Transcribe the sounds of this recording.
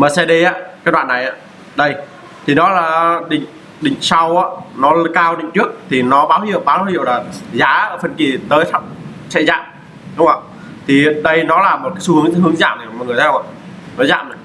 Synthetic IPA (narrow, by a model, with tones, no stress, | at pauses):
məː˨˩sɛ˧ɗe˧ʔaː˧k̚ːwa̰ː˧˨nːa˨˩jʔaː˧˦ | ɗə˧j | t̪ʰi˨˩nɔ˨˦laː˨˩ɗï˨˩ŋ̟ | ɗï˨˩ŋ̟sa˧wʔaː˧˥nɔ˨˦˧kaː˧wɗï˧˨ŋ̟t͡ɕɨ˦˥ək̚t̪ʰi˨˩nɔ˨˦ɓaː˨˦whḭ˧˨əwɓaː˨˦whḭ˧˨əwlaː˨˩zaː˨˦əː˧˩fə˧nki˨˩t̪əː˨˦jsʰa˧˥k͡p̚ | sɛ̰˧˥za̰ː˧˨m | ɗʊ˨˦ŋ͡ma˧˩ | t̪ʰi˨˩ɗə˧jnɔ˨˦laː˨˩mo˨˩t̚kaː˨˦su˧hɨ˨˦ə˦ŋ˧ɦɨ˨˦əŋza̰ː˧˨mə˨˩˨m̰ː˨˩ŋɨ˨˩ət̪ʰːwa̰ː˧˨nɔ˨˦za̰ː˧˨mɗɨ˨˩